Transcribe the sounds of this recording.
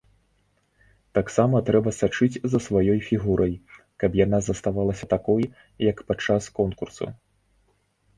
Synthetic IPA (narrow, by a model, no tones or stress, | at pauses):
t̪aksamɐt̪ɾɛbɐsat͡ʂɨd͡zʲzɐsvajɔjfʲiɣuɾʔɐj | kɐpjanazɐst̪avalˠɐsʲɐt̪akɔj | jɐkpat͡ʂːaskɔnkursṵ